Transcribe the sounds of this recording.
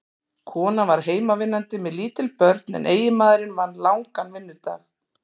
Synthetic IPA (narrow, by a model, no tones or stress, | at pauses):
kʰɔːnavaɾ̥ɦeːjmavɪnːant̪ɪmɛðliːt̪ɪlpœɾt̪nɛ̰nʔeːjɪmaːðɪɾɪnmanːlawŋkanvɪnːʏt̪a̰ːx